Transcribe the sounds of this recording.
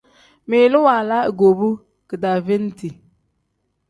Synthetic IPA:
me˨lu˦wa˨la˦˨ɡo˨bu˦ | kɨ˨da˨vi˦n˦ti˨

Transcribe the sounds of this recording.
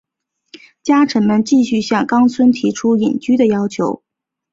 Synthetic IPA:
t͡ɕja˥ʈ͡ʂʰə˧˥nmə˧nt͡ɕi˥˧ɕy˥˧ɕjɑ˥˩ŋkɑ˥ŋt͡sʰwə˥nt̪ʰi˧˥ʈ͡ʂʰu˥ji˨˩nt͡ɕy˥d̪ə˨jɑ˥ʊt͡ɕʰjo˧˥ʊ

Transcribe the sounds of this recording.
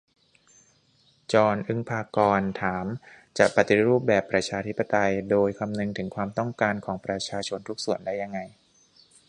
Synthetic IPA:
t͡ɕɔː˧nʔɯ˧ŋpʰaː˧kɔː˧nt̪ʰaː˩˦m | t͡ɕa̰˨˩ʔpa˨˩t̪i˨ɾuː˥˩p̚bɛː˨˩pːɾa˧t͡ɕʰaː˧t̪ʰi˦˥pːa˧t̪a˧jdoː˧jkʰa˧mnɯ˧ŋt̪ʰɯ˩˦ŋkʰwaː˧mt̪ɔ˥˩ŋkaː˧nkʰɔː˩˦ŋpɾa˧t͡ɕʰaː˧t͡ɕʰo˧nt̪ʰu˦˥k̚su˨˩əndaː˥˩jːa˧ŋːa˧j

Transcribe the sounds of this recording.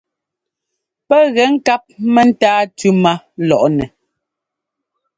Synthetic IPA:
pɛ˦ɣɛ˨˦ŋ̩˦ka˦p̚mɛ˦n̩˦taː˦tʉ˦ma˦ | lɔ˨ʔnɛ˨

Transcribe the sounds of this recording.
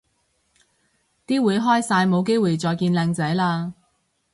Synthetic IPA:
t̪iː˥wuː˨˧jɦɔː˥jsaː˧jmo˨˧wk̬e˥jwuː˨jt͡sɔː˨jkiː˧nlɛː˧ŋt͡sɛː˨˥laː˧

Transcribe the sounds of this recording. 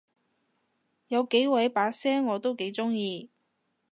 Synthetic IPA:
jɐ˨˧wke˨˥jwɐ˨˧˥jpaː˨˥sɛː˥ŋːɔː˨˧t̪o˥wke˨˥jt͡sʊ˥ŋjiː˧

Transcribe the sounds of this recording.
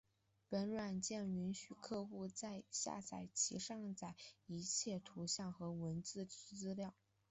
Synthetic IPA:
pə˧˥nlwa˨˩nt͡ɕjɛ˥˩ny˧˥nɕy˨˩kʰɤ˥˧xu˥˧t͡sa˥˧ɪɕja̰˥˧t͡sʰa˨˩ɪt͡ɕʰḭ˧˥ʂɑ˥˧ŋt͡sa˥˩ɪi˧˥t͡ɕʰjɛ˥˩t̪ʰu˧˥ɕjɑ˥˩ŋxɤ˧˥wə˧˥nt͡sɹ̩˥˧˥t͡sɹ̩˥ljɑ˥˩ʊ

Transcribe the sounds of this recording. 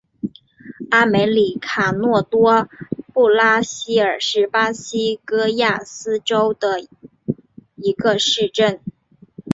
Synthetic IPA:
a˥me˧˥ɪli˨˩kʰa˨˩nwɔ˥˩t̪wɔ˥pu˥˩la˥ɕi˥ə˞˨˩ʂɻ̩˥˩pa˥ɕi˥kɤ˥ja˥˩sɹ̩˥ʈ͡ʂo˥ʊd̪ə˨ | i˧˥ɡə˧ʂɻ̩˥˧ʈ͡ʂə˥˩n

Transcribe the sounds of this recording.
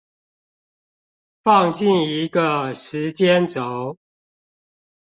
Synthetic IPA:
fɑ˥˨ŋt͡ɕi˥˨˩ni˨˦ɡə˨ʂɻ̩˨˦t͡ɕjɛ˦nt͡so˨˦ʊ

